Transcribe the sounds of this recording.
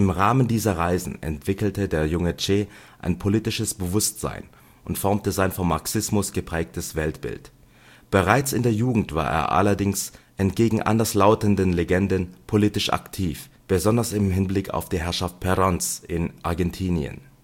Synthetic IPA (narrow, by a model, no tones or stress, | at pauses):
ʔɪmʁaːməndiːzɐʁaɪzn̩ʔɛ̰ntv̥ɪkl̩tədeːɐjʊŋət͡ʃeːʔa̰ɪnpʰoliːtɪʃəsb̥əvʊstz̥a̰ɪn | ʔʊntfɔɐmtəzaɪnfɔmːaɐksɪsmʊsɡ̥əpʁ̥ɛːk̚təsv̥ɛltb̥ɪ̰lt | b̥əʁaɪt͡sɪndeːɐjuːɡŋ̩tv̥a̰ːɐʔḛːɐʔa̰lɐdɪŋsʔɛntɡ̥eːɡŋ̩ʔa̰ndɐslaʊtəndənleɡɛndənpʰoliːtɪʃʔa̰ktʰiːf | b̥əzɔndɐsɪmɦɪnblɪkʰa̰ʊfd̥iːɦɛɐʃaft̚pʰɛʁɔnsʔɪnʔaɐɡɛntʰiːniə̰n